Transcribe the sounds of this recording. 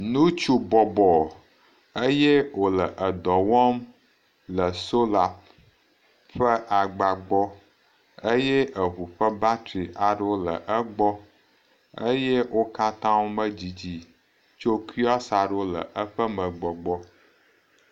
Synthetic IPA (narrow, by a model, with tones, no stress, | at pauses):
nũ˦t͡ʃu˦bɔ˨bɔ˨ | ə˦je˦wo˨lə˨ʔə˨d̪ɔ˨wɔ˦m | lə˨so˦la˨p̚ | ɸə˦ʔa˨ɡ͡ba˨ɡ͡bɔ˦ | ə˦jɛ˦ʔə˨ɦu˨ɸə˦ba˦t̪ɾi˨ʔa˨ɖo˦lə̰˨ʔə˦ɡ͡bɔ˦ | ə˦je˦wʔo˦ka˦t̪ã˦wo˦mə˦d͡ʑi˨d͡ʑi˨ | t͡ʃo˦ki˦a˦sa˨ɖo˦lə̰˨ʔə˦ɸə˦mə˨ɡ͡bɔ˨ɡ͡bɔ˦